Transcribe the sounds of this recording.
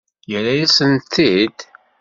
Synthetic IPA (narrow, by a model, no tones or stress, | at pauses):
jəlːæjæsənt̪ːid̪